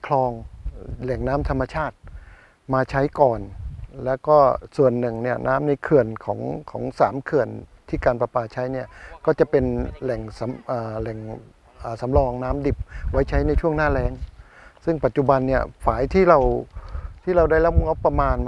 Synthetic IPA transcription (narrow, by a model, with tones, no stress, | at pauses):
kʰlɔː˧ŋlɛ˨˩ŋnaː˦˥mt̪ʰa˧mːa˧t͡ɕʰaː˥˩t̪̚ | maː˧t͡ɕʰa˦˥jkɔː˨˩nlɛː˦˥wkɔː˥˩su˨˩ənːɯ˨˩ŋni˥˩ɐnaː˦˥mna˧jkʰɯ˨˩ənkʰɔː˩˦ŋkʰɔː˩˦ŋsaː˩˦mkʰɯ˨˩ənt̪ʰiː˥˩kaː˧npa˧paː˧˩t͡ɕʰa˦˥jni˥˩ɐkɔː˥˩t͡ɕa˨˩ʔpe˧nlɛ˨˩ŋsa˩˦mʔaː˨˩lɛ˨˩ŋ | ʔaː˨˩sa˩˦mlɔː˧ŋnaː˦˥mdi˨˩p̚wa˦˥jt͡ɕʰa˦˥jna˧jt͡ɕʰu˥˩əŋnaː˥˩lɛː˦˥ŋ | sɯ˥˩ŋpa˨˩t̪̚ːt͡ɕu˨˩ba˧nːi˥˩ɐfaː˩˦jt̪ʰiː˥˩ɾa˧w | t̪ʰiː˥˩ɾa˧wdaː˥˩jla˦˥p̚o˧ŋʔo˦˥pːɾa˧maː˧n